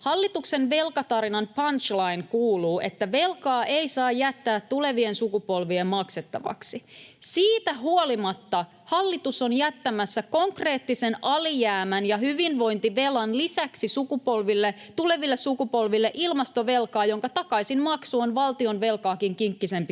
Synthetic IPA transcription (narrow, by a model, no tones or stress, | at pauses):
hɑlːit̪uksenʋe̞lkɑt̪ɑɾinɑnpɑnt͡ʃlɑinkuːluːʔe̞̰t̪ːæʋe̞lkɑːʔeisɑːjjæt̪ːæːt̪tule̞ʋiensukupo̞lʋiemmɑkset̪ːɑ̰ʋɑ̰ksisiːt̪æɦuolimɑt̪ːɑ | hɑlːit̪uso̞njæt̪ːæmæsːæko̞ŋkre̞ːt̪ːisenɑlijæːmænjɑhyʋinʋo̞jnt̪iʋe̞lɑnlisæksisukupolʋilːet̪ule̞ʋilːessukupo̞lʋilːeʔilmɑst̪o̞ʋelkɑːjo̞ŋkɑt̪ɑkɑisinmɑksuonʋɑlt̪io̞nʋe̞lkɑːkiŋkiŋkːise̞mpi